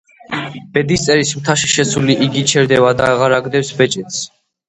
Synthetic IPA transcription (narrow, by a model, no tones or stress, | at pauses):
b̥ɛd̪ist̪sʼɛɾismt̪ʰaʃiʃɛsuliʔiɡit͡ʃʰɛɾd̪ɛvad̪aːʁaɾaɡd̪ɛwsbɛt͡ʃʼɛt̪s